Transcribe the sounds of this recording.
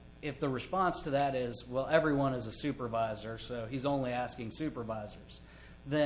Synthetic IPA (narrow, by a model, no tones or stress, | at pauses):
ɪfðəɹɨspɑ̃nstʰɨðɨɾɪzwɛlˠɛvɹiwʌ̃nɨzəsʉpə˞vaɪzə˞soʊizõʊ̃nliæskɪ̃ŋsʉpə˞vaɪzə˞z̥ | ðɨ̃